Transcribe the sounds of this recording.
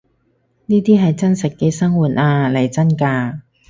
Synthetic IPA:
niː˥t̪iː˥ɦɐ˨jt͡sɐ˥nsɐ˨t̚keː˧sɐ˥ŋwuː˨˩t̚ʔaː˧lɐ˨˩jt͡sɐ˥nkaː˧

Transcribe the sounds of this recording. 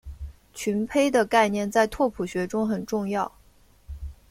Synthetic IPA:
t͡ɕʰy˧˥npʰe˥ɪd̪ə˨ka˥˧ɪnjɛ˥˧nt͡sa˥˧ɪt̪ʰwɔ˥˩pʰu˨˩ɕɥɛ˧˥ʈ͡ʂʊ˥ŋxə˨˩nʈ͡ʂʊ˥˧ŋjɑ˥˩ʊ

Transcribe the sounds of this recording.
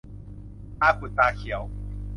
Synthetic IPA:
a˦kʷu˨˩t̪a˧xja˨˦ʊ

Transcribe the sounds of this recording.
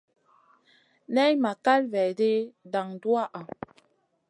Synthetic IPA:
nɛ˦jma˨ka˦lvɛ˨de˦da˨ŋdu˦a˦ʔa˨

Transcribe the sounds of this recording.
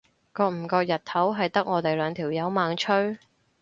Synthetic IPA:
kɔː˧k̚m̩˨˩kɔː˧k̚jɐ˨t̪̚t̪ʰɐ˨˥wɦɐ˨jt̪ɐ˥k̚ŋɔː˨˧t̪e˨jlœː˨˧ŋt̪ʰiː˨˩wjɐ˨˥wmaː˨˧ŋt͡ʃʰɵ˥ɥ

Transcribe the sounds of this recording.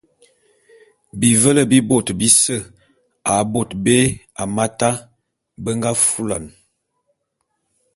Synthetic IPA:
bi˨və˦lə˦˨bi˦bo˨tbi˦sə˦ | a˨bo˨tbe˦ | a˨ma˦ta˦ | bə˦ŋɡa˦fu˦la̰˨n

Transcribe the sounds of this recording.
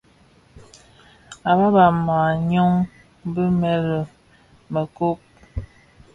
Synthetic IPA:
a˨ba˦ba˨ma˨ɲɔ˦ŋ | bə˦mɛ˦ɾə˨ | mə˨ko˦p̚

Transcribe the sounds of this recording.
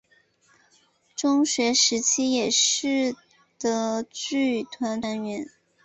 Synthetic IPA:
ʈ͡ʂʊ˥ŋɕɥɛ˧˥ʂɻ̩˧˥t͡ɕʰi˥jɛ˨˩ʂɻ̩˥˩ | d̪̥ə˩t͡ɕy˥˩t̪ʰwa˧˥n˥nɥɛ˧˥n

